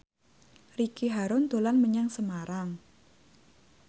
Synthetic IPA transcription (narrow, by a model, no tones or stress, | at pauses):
rikiɦaɾʊnd̪olanməɲaŋsəmaɾaŋ